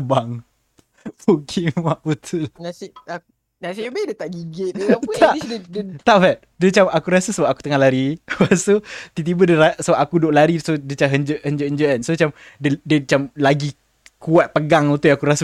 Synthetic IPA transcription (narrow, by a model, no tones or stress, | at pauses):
baŋ | bukʰiŋwaʔut̪ʰunasiak | nasibedət̪aʔɡiɡet̪̚apt̪aʔt̪aʔfɛʔ̪̚dət͡ʃamakuɾasəsəbap̚aku̥t̪əŋahlaɾiwasot̪it̪̬ibədəɾasəbap̚akudoʔlaɾisodit͡ʃaɦəɲd͡ʒəʔhənɲd͡ʒəʔəɲd͡ʒəʔansot͡ʃam | dədət͡ʃamlaɡi | kuat̪̚pəɡaŋut̪ujakuɾasə